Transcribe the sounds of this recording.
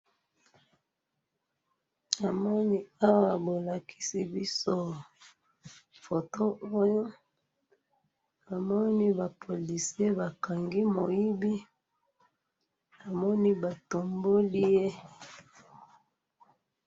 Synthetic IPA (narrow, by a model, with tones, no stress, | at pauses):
a˨mɔ˦ni˦a˦wa˨bo˨la˨kʰi̥˦si˦bi˦so˦ | fo˨to˦ʔo˦jo˦ | a˨mɔ˦ni˦ba˨pʰo˨li˨si˦e˦ba˨ka˨ŋɡi˦mo˨ji˦bi˦ | a˨mɔ˦ni˦ba˨to˨mbo˦li˦je˦